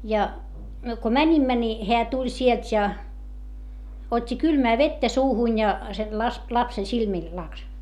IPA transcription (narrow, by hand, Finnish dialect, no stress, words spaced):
jɑ myø ko mænʲimːæ ni heæ tulʲ sielt jɑ otʲːi kylmæː ʋetːæ suːhunʲ jɑ sen lɑs lɑpsen silmiˑl lɑks